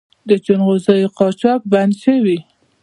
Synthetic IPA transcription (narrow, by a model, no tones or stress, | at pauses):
d̪ət͡ʃʊnɣozɑjoqɑt͡ʃɑk̚band̪ʃəwi